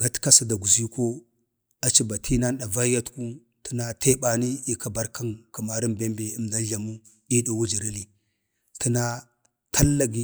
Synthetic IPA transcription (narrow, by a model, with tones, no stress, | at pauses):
ɡa˦tka˦sa˦da˨ɡu˨zi˦ko˦ | a˨t͡ʃi˦ba˨tʰi˦na˦n˦ɗa˨va˦ja˦tku˦ | ti˦na˦te˦ba˨ni˦i˨ka˦ba˦ɾka˦nka˨ma˨ɾi˦mbe˦mbe˨i˦mda˦nɮa˨mu˦ | i˦du˨wu˦d͡ʒi˨ɾi˦li˨ | ti˦na˦ | tʰa˦lːa˦ɡi˦